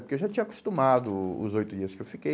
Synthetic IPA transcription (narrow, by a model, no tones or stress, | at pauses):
pʊɾkewʒat͡ʃĩɲɐkʊ̥st̪ũmad̪ʊʊ̰zojt̪ʊd͡ʒiɐskewfike